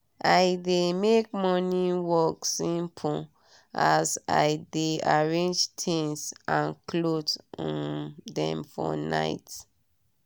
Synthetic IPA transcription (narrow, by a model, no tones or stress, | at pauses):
aɪdemek̚mɔniwɔksĩmpʰu | aza̰ɪdeaɹẽnd͡ʒtʰĩŋsãnklotɔ̃dɛ̰̃mfɔ̰na̰ɪt